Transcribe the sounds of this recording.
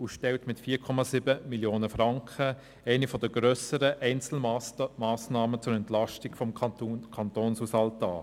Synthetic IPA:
uʃtɛltmɪtfiːkʰɔmɑsibəmiljoːnəfɾɑŋkχə | æɪnifɔd̪əɡ̥ɾœsəɾəʔɛɪnt͡sl̩maːsnɑːmət͡sʊɾɛntlɑʃtiɡfɔmkʰɑntoːnshusɑltɑː

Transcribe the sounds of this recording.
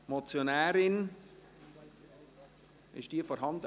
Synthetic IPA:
mot͡sjonæːɾɪn | ɪ̰ʃd̥iːfɔɾɦɑndə

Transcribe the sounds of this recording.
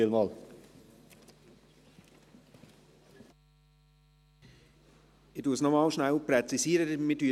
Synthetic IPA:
ɪlmɑːl | ɪduːsnɔmɑːlʃnælpɾɛt͡sisiːɾədmɪdyː

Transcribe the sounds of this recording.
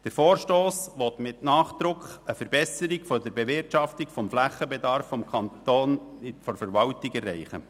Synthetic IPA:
d̥əɾfoːɾʃtoːsʋɔt̪mɪtnɑːχd̪̥ɾʊkχəfəɾb̥ɛsəɾikfɔdəɾbeʋɪɾtʃɑftikfɔmflæχəbɛdɑɾfːɔmkʰχɑntoːnfɔɾfəɾʋɑltikɛrːɛɪχə̰

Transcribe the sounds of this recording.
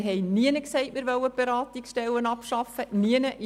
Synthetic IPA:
ɦɛɪniənəksɛɪʔmɪːɾʋœwːəb̥eɾɑːt̪iksʃtɛlːənɑpʃɑfəniənəʔ

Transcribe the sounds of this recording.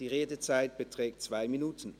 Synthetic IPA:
d̥iːʁeːdət͡saɪt̚b̥ətʁ̥ɛːktt͡sv̥aɪminuːtʰn̩

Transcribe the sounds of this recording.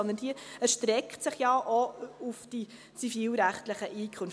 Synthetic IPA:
ɔnd̪ənd̥iəæɾʃtɾɛktsɪχjɑʔɔufd̥i | t͡sifiːlɾæχtləχəʔiːkʰʊnf

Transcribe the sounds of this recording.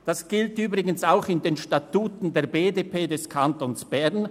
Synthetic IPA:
d̥asɡ̥ɪltyːbʁɪɡənsaʊxɪndeːnʃtatuːtn̩deːɐbeːdeːpʰeːdɛskʰantonsb̥ɛʁn

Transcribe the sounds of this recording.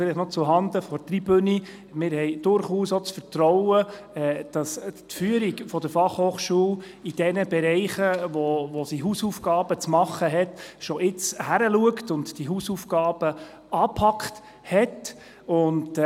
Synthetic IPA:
fɪliχnɔt͡suɦɑnd̪əfɔɾtribøni | mɪːɾhɛɪd̥ʊɾχuːsɔt͡sfəɾtɾɔwə | ɛd̥ɑstfyəɾikfɔd̥əɾfɑχhoːχʃuəw | id̥ɛnəbɛɾɛɪχəʋɔʋɔsiɦuːsufɡ̥ɑːb̥ət͡smɑχːəɦɛtʃɔʔɪt͡shæɾəluəktʊntd̥iɦuːsufɡ̥ɑːb̥ə | ɑːpʰɑkχt | hɛt | ʊnd

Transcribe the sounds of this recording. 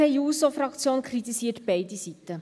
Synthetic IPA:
ɛɪuːsofrɑkt͡sjoːnkʰrit̪isiːətb̥ɛɪdisitə

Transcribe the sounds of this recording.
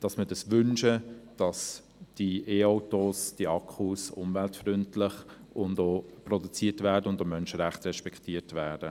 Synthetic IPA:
d̥ɑsmədɑsʋʏnʃəd̥ɑs | d̥ieːɔʊtosd̥iɑkʰχusʊ̰mvæltfrʏntlɪχ | ʔʊndoːprɔdut͡siːətvæːɾdəʊndomœnʃəɾæχtɾɛʃpɛktiːəɾtvæːd̥ə

